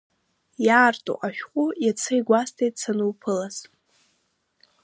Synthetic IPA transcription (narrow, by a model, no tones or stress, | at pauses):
jaːrtʼṵʔaʃᶣqʷʼujat͡sʰajɡʷastʰejtʼsanɨwpʰɨlaz